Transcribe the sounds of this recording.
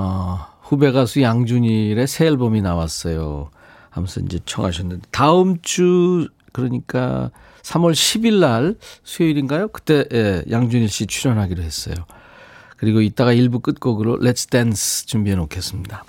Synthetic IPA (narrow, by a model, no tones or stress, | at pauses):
aɸube̞ɡasʰujaŋd͡ʑuɲiɾe̞sʰe̞ɭbominawas͈ʌjo̰ | a̰musʰʌnḭnd͡ʑe̞t͡ɕʰʌŋɦaɕʰʌnːɯndetaɯmt͡ɕ͈u | kɯɾʌɲik͈a̰ | sʰamʌɭɕʰibiɭːaɭsʰujoiɾinɡajokɯ̥t͈e̞jejaŋd͡ʑuɲiɭɕ͈it͡ɕʰuɾjʌnɦaɡidoɦe̞s͈ʌ̰jo | kɯɾiɡoit͈aɡaiɭbuk͈ɯt̚k͈oɡɯɾolʔesʰt͈enst͡ɕumbienokʰe̞s͈ɯmɲida